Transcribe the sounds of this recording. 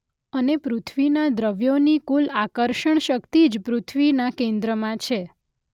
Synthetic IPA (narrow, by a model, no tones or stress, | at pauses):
ənepɾut̪ʰʋinad̪ɾəʋjonikulakəɾʃəɳ̃ʃəkt̪id͡ʒpɾut̪ʰʋinakẽnd̪ɾəmãt͡ʃʰe